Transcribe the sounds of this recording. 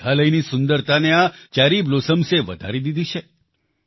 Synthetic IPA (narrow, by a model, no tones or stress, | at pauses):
aləjnisʊnd̪əɾt̪aneat͡ʃaɾiblosəmseʋə̰d̪ʱa̰ɾid̪id̪ʱit͡ʃʰe